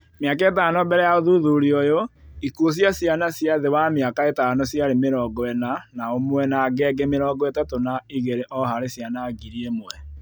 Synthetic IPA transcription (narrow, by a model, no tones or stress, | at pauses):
mjakaetaːnɔbɛɾɛjaoðuðuɾiɔjoikuos̬jasianasjaðewamjakaetaːnɔsjaɾemeɾɔɡɔɛnanaomwɛnaɡɛːɡemeɾɔːɡɔɛtatonaiɣeɾeʔɔɦaɾesjanaɡiɾiemwɛ